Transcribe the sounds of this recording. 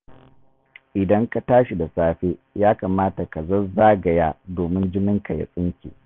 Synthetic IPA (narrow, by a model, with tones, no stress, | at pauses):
ʔɪ˨dɐ˦ŋka˨taː˦ʃi˨da˨saː˦ɸeː˦jaː˦kaː˨maː˦ta˨ka˨zɐ˦zaː˦ɡɐ˨jaː˦doː˨mɪ˦nd͡ʒɪ˦mɪ˦ŋka˨ja̰˦sʼɪ˦ŋkʲḭː˨